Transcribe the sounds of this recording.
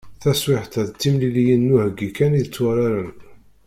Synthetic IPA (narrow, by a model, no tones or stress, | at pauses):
θæswɪħt̪æðt͡s̪ːimlilijənːuhəɡːikæniðət͡sːwæɾaɾən